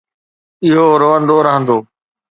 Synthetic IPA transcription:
ɪɦoːɾoːʋə̃nd̪oːɾəɦə̃nd̪oː

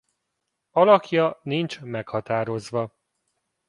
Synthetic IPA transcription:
ɒlɒkjɒnint͡ʃmɛkhɒt̪aːɾo̞zʋɒ

